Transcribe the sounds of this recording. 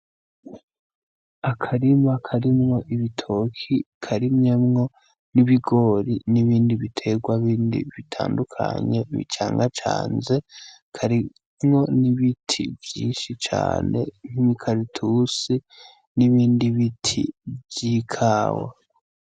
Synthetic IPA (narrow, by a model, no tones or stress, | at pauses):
akʰaɾimakʰaɾimŋo̞ʔiβitʰo̞kʰi | kʰaɾimɲe̞mŋo̞ | niβiɡo̞ɾiniβiːndiβitʰe̞ɡwaβiːndḭβitʰa̰ːndukʰa̰ɲe̞βḭt͡ʃaːŋɡat͡ʃa̰ːnze̞ | kʰaɾi | mŋo̞niβitʰivjiːʃit͡ʃa̰ːne̞̰nikʰaɾitʰusi | niβiːndiβitʰḭbɟiːkʰaːwa̰